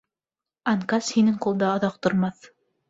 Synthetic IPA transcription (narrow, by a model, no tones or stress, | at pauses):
ɑŋkɑshinɘŋqulˠd̪ɑɑðɑq̚t̪ŏɾmɑθ